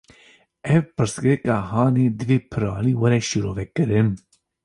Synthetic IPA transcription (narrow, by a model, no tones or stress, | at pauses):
ɛvpɨɾsɡɨɾɨkɑːɦɑːneːd̪ɨveːpʰɨɾɑ̰ːliːwɐɾɛʃiɾoːvɛkɨɾɨn